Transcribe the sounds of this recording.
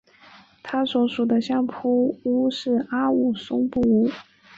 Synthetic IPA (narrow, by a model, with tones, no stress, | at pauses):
t̪ʰa˥swɔ˧˥ʂu˨˩d̪ə˦ɕjɑ˥˩ŋpʰu˥u˥ʂɻ̩˥˩a˥u˨˩sʊ˥ŋpu˥˩u˥